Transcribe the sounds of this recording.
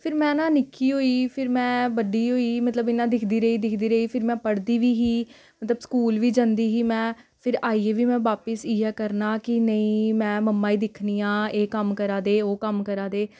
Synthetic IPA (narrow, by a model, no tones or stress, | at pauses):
pʰɪɾmɛ̃ːnãːnɪkːiːɦoːiːpʰɪɾmɛ̃ːʋəɖiːɦoːiːmət̪ləbɪnːãːd̪ɪkʰd̪iːɾəiːd̪ɪkʰd̪iːɾəiːpʰɪɾmɛ̃ːpəɽd̪iːʋiːɦiː | mət̪ləbskuːlʋiːd͡ʒãnd̪iːɦiːmɛ̃ː | pʰɪɾaːiːeːʋiːmɛ̃ːʋaːpəsiːɛːkəɾnaːkɪnəĩːmɛ̃ːməmːaːiːd̪ɪkʰniːãːeːkəmkəɾaːd̪eːoːkəmkəɾaːd̪eː